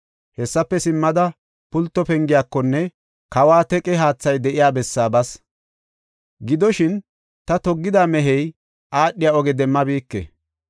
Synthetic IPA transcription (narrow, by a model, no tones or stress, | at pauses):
hɛsːɐpːɛsɪmːɐd̪ɐ | pʊlt̪ːɔpɛŋɡɪjaːkːɔnːɛ | kɐwaːt̪ɛkʼɛɦaːt͡sːɐjd̪ɛʔɪjaːbɛsːaːbɐs | ɡɪd̪ɔʃɪn | t̪ɐt̪ɔɡːɪd̪aːmɛɦɛj | ʔaːɗːɪjaɔɡɛd̪ɛmːɐbiːkːɛ̰